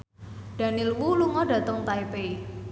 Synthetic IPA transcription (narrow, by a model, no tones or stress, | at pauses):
ɖ̥a̤nilwuluŋɔdä̤t̪əŋt̪aipei